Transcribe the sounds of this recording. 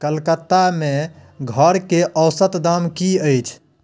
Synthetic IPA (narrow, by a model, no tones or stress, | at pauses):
kəlkət̪ːameɡʱəɾkeʔəwsət̪d̪amkiəjt͡ʃʰ